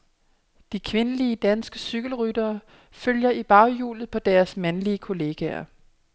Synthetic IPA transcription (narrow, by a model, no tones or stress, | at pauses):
d̥ikʰʋe̝nəliəd̥ænsɡ̥əsyɡ̥əl̩ʁyd̥ɐː | føljɐib̥ɑ̈ʊjṵːlð̞̩ˠpʰɒ̽d̥æɐsmænliəkʰo̝le̝ːɡ̥ɛ̰ɐ̰